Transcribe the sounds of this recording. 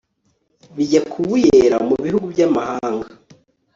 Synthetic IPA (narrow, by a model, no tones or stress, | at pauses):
βiɟakʰuβujeɾamuβihuɡubɟamahaːŋɡaa